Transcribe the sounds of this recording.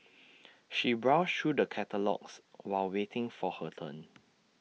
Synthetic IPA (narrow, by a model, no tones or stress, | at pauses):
ʃibɹaʊstʰɹudəkʰɛtəlɔ̰kswaɪlwetʰɪ̃ŋfɔhətʰə̰̃n